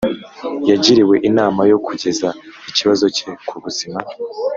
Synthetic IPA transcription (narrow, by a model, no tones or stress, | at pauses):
jaɟiɾiwe̞ʔinaːmajo̞kʰuɟe̞zaiciβazo̞ce̞kʰuβuzima